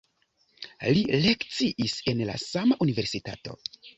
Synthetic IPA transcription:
lile̞kt͡siʔise̞nla̰samaʔunive̞ɾsita̰to̞̰

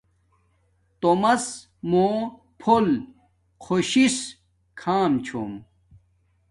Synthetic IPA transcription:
t̪omɐs | moː | pʰol | kʰoɕis | kʰaːmt͡ɕʰo̰m

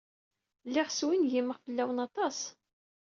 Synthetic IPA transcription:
lːɪʁswinʝiməʁfəlːæwənɑt̪ˤɑs

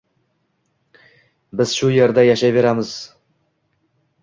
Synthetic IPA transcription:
bɪz̥ʃuje̞ɾd̪ajaʃajve̞ɾamɪz̥

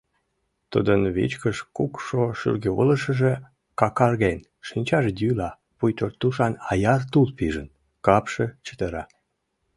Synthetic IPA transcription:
t̪ud̪ənβḭt͡ɕkəʃkukʃoʃy̰rɣeṵləʃə̆ʒe | kɑkɑrɣen | ʃinʲt͡ɕɑʒd̪ylɑ | pujt̪ort̪ːuʃɑnɑjɑrt̪ulpiʒən | kɑpʃet͡ɕə̥t̪əɾɑ

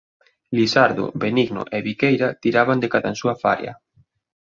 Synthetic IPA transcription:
lisaɾðo̰beniɣno̰ʔɛβikejɾat̪iɾaβand̪ekaðansuafa̰ɾja̰

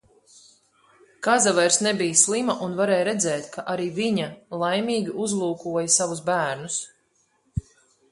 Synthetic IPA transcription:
kazavɛjɾsnɛbijslˠimaʔunvaɾɛːjɾɛd̪zɛːt̪kʰaʔaɾiːviɲalˠajmʲiːɡʲiʔuzlˠuːkuɔjasavusbæːɾnus

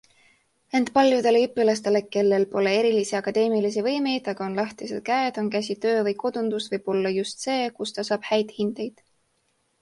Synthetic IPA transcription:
e̞nt̪pɑlʲjud̪̥e̞leypːˑilɑst̪e̞le̞ke̞lːe̞lpo̞le̞e̞ɾilisiɑkɑd̪e̞ːmilisivɤjme̞jd̪̥ɑɡ̥ɑo̞nlɑht̪ise̞̰d̪̥̚kæed̪̥o̞nkæs̬ʲit̪ø̞ːvɤjko̞d̪̥und̪̥usvɤjb̥o̞lːɑjust̪se̞ːkust̪ɑsɑːb̥hæjd̪̥hind̪̥e̞jd̪̥

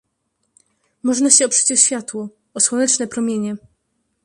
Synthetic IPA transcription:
mɔʐnaɕɛɔpʂɘ̥t͡ɕɔɕfʲjat̪wɔ | ɔswɔnɛt͡ʂnɛpɾɔmʲjeɲɛ

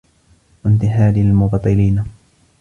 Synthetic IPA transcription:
want̪ɪħaːlialmʊbɑt̪ˤːɨliːna

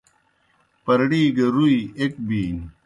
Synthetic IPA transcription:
pɐɾɽiːɡɐɾuiek̚biːn

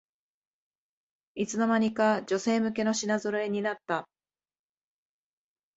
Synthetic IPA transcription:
it͡sɨno̞maɲ̟ikad͡ʑo̞se̞ːmɯ̟k̬e̞no̞ɕinazoɾoe̞ɲ̟inat̪ːa

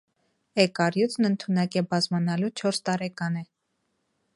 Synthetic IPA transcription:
ɛkɑɾjut͡sʰnənt̪ʰunɑkɛbɑzmɑnɑlut͡ʃʰɔɾst̪ɑɾɛkɑnɛ

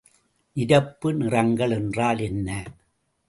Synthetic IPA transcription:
ʔɪɾɐpːɯnɪrɐŋɡɐɭɛndraːlɛnːɐ

